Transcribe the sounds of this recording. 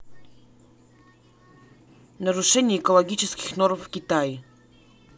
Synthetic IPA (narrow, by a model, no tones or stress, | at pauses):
naɾuʂɛɲɛɛkɔlɔɡʲit͡ʂskʲixnɔɾufːkʲit̪aj